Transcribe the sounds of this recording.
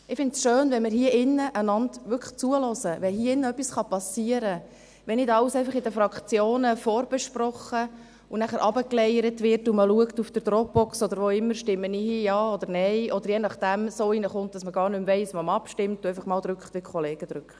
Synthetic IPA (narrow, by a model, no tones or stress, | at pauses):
ɪfɪntsʃøːnvɛnmɪɾhiəʔɪnːəʔənɑndʋʏɾkʰχt͡suəlɔzəʋɛɦiəɪnːəœpːisχɑpɑsiəɾə | ʋɛnɪdɑwsɛɪfɑχɪdəfɾɑkt͡sjoːnəfɔːɾb̥ɛʃprɔχə | unæχəɾʔɑbəklɛjəɾətʋɪɾtuməluəktufd̥əɾd̥̪ɾɔk̚b̥ɔksɔd̪əɾʋoɪmːəɾʃtɪmːəniːhiːjɑːɔd̪əɾnɛɪʔɔd̪əɾjɛnɑχd̥æmsoːiːnəχʊnt̚d̥ɑsməɡɑːɾnʏmvɛɪsmɔmɑpʃtɪmtuɛɪfɑχmɑːld̥̪ɾʏkχt̪ʋɪkʰχɔleːɡ̥əd̥̪ɾʉkχt